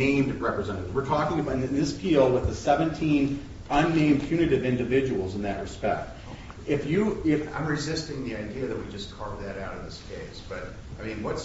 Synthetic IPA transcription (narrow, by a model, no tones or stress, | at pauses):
ẽɪ̃mdɹɛpɹɨzɛ̃ɾɨɾzwɨɹtʰɔkɪ̃ŋɨɨ̃nɨ̃nðɪspʰilˠwəðɨsɛvɨ̃ntʰĩn | ʌ̃nːẽɪ̃mpʰj̥ʉnɨɾɨvɪ̃ndɨvɪd͡ʒɨwl̩ˠzɨ̃nðɨʔ̚ɹɨspɛ̰k̚t̚ | ɪfjɨɪfã̰ɪ̃mɹɨzɪstɪ̃ŋðiaɪdiɨðɨt̚wid͡ʒʌskʰɑɹvðɨɾaʊɾʌvðɪskʰeɪsb̥ʌɾ | aɪmĩnwʌts